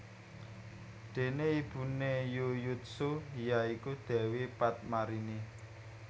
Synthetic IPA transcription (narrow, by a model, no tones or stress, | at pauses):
d̪̥e̤neib̥unejujut̪̚sujaikud̪̥ɛ̤wipat̪̚maɾini